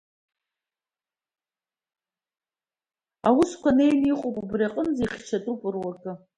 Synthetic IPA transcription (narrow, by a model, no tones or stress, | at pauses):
awʊskʷʰanejniqʼopʼubriaqʼənd͡zajχʲt͡ʃʰatʼupʼɨrwakʼɨ